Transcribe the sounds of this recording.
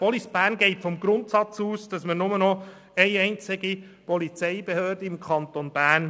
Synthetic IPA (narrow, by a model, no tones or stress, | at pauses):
pɔlisb̥æːnɡɛɪtfɔmɡɾʊntsɑt͡suːsd̥ɑsmənʊmənɔ | ɛɪɛɪnt͡sɪɡi | pɔlit͡sɛɪbehøːrdəɪmkʰɑnt̪onb̥æːn